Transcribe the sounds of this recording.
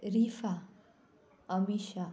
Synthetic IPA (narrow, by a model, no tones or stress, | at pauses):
ɾifa | əmiʃa